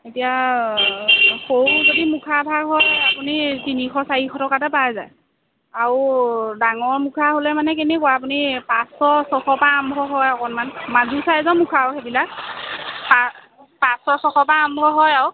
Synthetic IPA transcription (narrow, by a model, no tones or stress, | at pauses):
etija | xowzodimukʰabʱaɡɦɔjapunitinixʰɔsaɹikʰɔtɔkatapazaj | aɹudaŋɔɹmukʰaɦolɛmanɛk̬enekɔap̬unipasɔsɔxʰɔpaːmbʱɔɦɔjɔkɔnmanmazusajɛzɔnmukʰaoɦebilak̚ | pa | pasɔsɔxʰɔpaːmbʱɔɦɔjaw